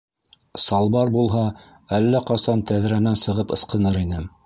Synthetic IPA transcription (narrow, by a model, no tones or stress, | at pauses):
sɑlˠbɑɾbulˠɦɑ | ælːæqɑsɑnt̪æðɾænænsɤ̆ʁɤpɤ̆sqɤ̆nɤɾinɘ